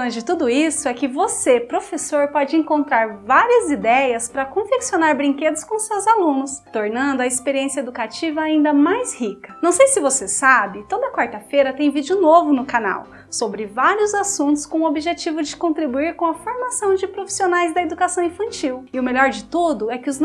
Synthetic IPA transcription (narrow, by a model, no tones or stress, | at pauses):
ɐd͡ʒɪt̪ud̪ʊisʊɛkɪvosepɾofesoɾpɔd͡ʒɪẽŋkõnt̪ɾaɾvaɾiɐzid̪ɛjɐspɾɐkõfeksionaɾbɾĩŋked̪ʊskõʊsewzalũnʊst̪oɾnɐ̃nd̪ʊɐɪspeɾiẽsjɐed̪ukat͡ʃivɐaĩnd̪ɐmajzhikɐ̥nɐ̃w̃sejsɪvosesabɪt̪od̪ɐkwaɾt̪ɐfejɾɐt̪ẽj̃vid͡ʒɪʊnovʊnʊkana̰w | sobɾɪvaɾiʊzasũnt̪ʊ̥skõʊobiʒet͡ʃivʊd͡ʒɪkõnt̪ɾibuiɾkõɐfoɾmasɐ̃w̃d͡ʒɪpɾofi̥sionajzd̪ɐed̪ukasɐ̃w̃ĩfɐ̃nt͡ʃiwɪʊmeʎɔɾd͡ʒɪt̪ud̪ʊɛkɪʊz